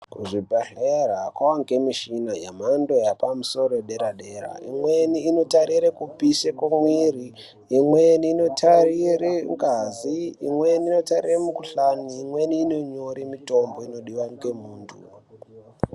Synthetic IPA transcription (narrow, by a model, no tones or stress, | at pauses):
kuʐibʱaɬeɾakwawaŋkemiʃinaja̰mando̞japamuso̞ɾoɗeɾaɗe̞ɾa̰ḭmweniːno̞taɾiɾekupiʃekamwiriː | mweniːno̞tʰarireŋɡaziimweniːno̞tariremukuɬaniːmwe̞niːnoɲo̞ɾimito̞mbo̞ino̞ɗiwanikemuːntʰṵ